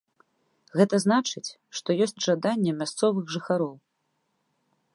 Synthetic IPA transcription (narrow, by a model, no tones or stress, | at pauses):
ɣɛt̪ɐznat͡ʂɨt͡sʲ | ʂt̪ɔjɔsʲt͡sʲʐad̪anʲːɛmʲast̪sɔvɨɣʐɨxaɾɔw